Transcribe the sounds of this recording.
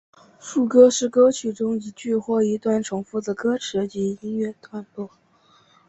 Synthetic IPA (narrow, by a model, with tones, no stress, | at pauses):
ʂu˥˩kɤ˥ʂɻ̩˥˩kɤ˥t͡ɕʰy˨˩ʈ͡ʂʊ˥ŋi˧˩t͡ɕy˥˧xwɔ˥˩i˧˥t̪wa˥˩nʈ͡ʂʰʊ˧˥ŋfu˥˩d̪ə˨˩kɤ˥ʈ͡ʂʰɻ̩˧˥t͡ɕi˧˥i˥nɥɛ˥˧t̪ʰwa˥˧nt̪wɔ˥˩